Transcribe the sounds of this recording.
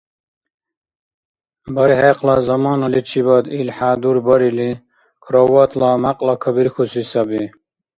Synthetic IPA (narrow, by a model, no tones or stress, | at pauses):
bɐɾiheqlɑzɐmɑːnɐlit͡ʃʰibad̪ilħaːd̪uɾbɐɾili | kʰɾowat̪ʰlamaqʼlakʰɐbiɾkʰusisabi